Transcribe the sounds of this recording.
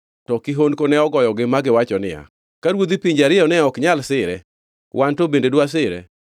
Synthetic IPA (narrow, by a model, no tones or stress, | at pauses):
tɔkiɦonkonɛɔɡɔjɔɡɪmaɡɪwat͡ʃɔnɪ̰ja̰ | kaɾwod̪ipiɲd͡ʒaɾɪɔnɛɔkɲalsɪɾɛ | wʔantobendedwas̬ɪɾɛ̰